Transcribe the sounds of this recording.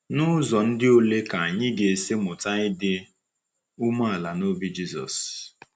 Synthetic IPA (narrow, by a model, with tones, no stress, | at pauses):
nʊ˦zɔ˨n̩˦dɪ˦o˦le˦ka˨a˨ɲɪ˦ɡe˨se˦mʊ˨ta˦ɲɪ˦dɪ˦ | u˦ma˦a˨la˨no˦bi˦d͡ʒi˦zɔ̰˨s